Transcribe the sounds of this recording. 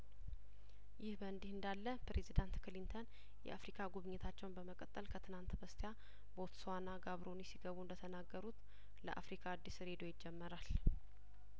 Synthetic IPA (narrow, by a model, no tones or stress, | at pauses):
jɪhbəɨnd̪ihɨnd̪alːəpɾe̞zid̪ant̪kʰɨlint̪ʰən | jɛ̰ʔafɾikʰaɡuβɨɲːɪt̪ʰat͡ʃːɛwnbəməkʼət̪ʼːəlkʰət̪ʰɨnant̪bəst̪ʰeja | bo̞t̪swanaɡaβɾo̞nisiɡəβuɨnd̪ət̪ʰənaɡːəɾut̪ | ləʔafɾikʰaːd̪ːisɾe̞d̪o̞jɪd͡ʒːɛmːəɾal